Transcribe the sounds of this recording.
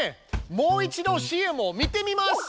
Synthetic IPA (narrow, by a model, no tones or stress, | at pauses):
emo̞ːit͡ɕid̪o̞ɕiemo̞mʲit̪e̞mʲimas